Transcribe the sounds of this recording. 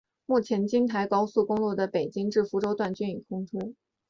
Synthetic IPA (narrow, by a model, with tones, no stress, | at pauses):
mu˥˩t͡ɕʰjɛ˧˥nt͡ɕi˥nt̪ʰa˧˥ɪkɑ˥ʊsu˥˩kʊ˥ŋlwɔ˥˩d̪ə˩pe˨˩ɪt͡ɕi˥ŋʈ͡ʂɻ̩˥˩fu˧˥ʈ͡ʂo˥ʊt̪wa˥˩nt͡ɕy˥ny˨˩kʰʊ˥ŋʈ͡ʂʰu˥